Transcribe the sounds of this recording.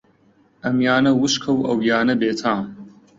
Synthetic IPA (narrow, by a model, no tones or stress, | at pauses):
ɐmjaːnɐwuʃkʰɐwɐwjaːnɐbeːt̪ʰãːm